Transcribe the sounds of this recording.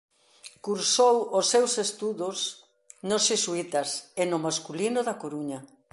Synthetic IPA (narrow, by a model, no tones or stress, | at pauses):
kuɾsowosːewsest̪uðos | nosʃisuit̪ɐsenʊmaskulinʊðakoɾuɲɐ